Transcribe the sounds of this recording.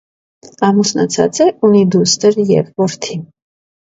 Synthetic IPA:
amusna̰t̪t͡sʰa̰t͡sʼɛʔunid̪ust̪ʼəɾjɛ̰vɔɾt̪ʰi

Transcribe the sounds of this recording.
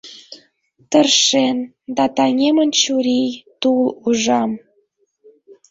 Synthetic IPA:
t̪ərʃen | d̪ɑt̪ɑnʲemənt͡ɕuɾʲijt̪uluʒɑm

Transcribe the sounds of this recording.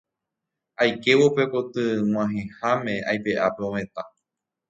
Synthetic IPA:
ajke̞ʋope̞ko̞t̪ɨŋ̃w̃ãɦẽhamẽ̞ajpe̞ʔape̞õmẽ̞t̪a

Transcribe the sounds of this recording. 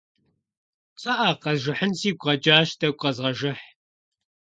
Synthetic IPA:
t͡sʼɐʔaːqɐzʒɨħənsiːɡʷʼʁɐd͡ʒaːʃtʰɐɡʷʼqɐzʁɐʒɨħ

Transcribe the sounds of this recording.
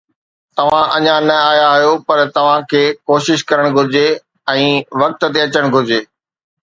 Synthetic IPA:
t̪ɐʋ̤ãʔɐɲãnɐaːjaɦijopɐɾt̪ɐʋ̤ãkʰeːkoːʃɪʃkɐɾəɽ̃ɡʱʊɾɪd͡ʑe | ɛ̃ːʋɐk̚t̪̆t̪eɐt͡ɕəɽ̃ɡʱʊɾɪd͡ʑeː

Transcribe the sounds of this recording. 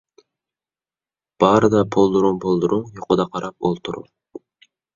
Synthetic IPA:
b̥ɑɾɨd̪ɑpʰolˠd̪uɾumpʰolˠd̪uɾuŋjoqʊd̪ɑqʰɑɾɑp̚olˠt̪ʰuɾṵ

